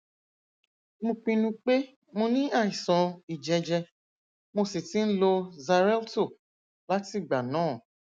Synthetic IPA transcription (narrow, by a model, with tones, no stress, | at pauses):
mõ˧k͡pĩ˧nũ˧k͡pe˦ | mõ˧nĩ˦a˦˨i˨sɔ̃˧i˨d͡ʒɛ˧d͡ʒɛ˧ | mo˧si˨tĩ˨˦n̩˦lo˧za˧ɾɛ˦lto˦˨ | la˦ti˦˨ɡ͡ba˨nãː˨˦˨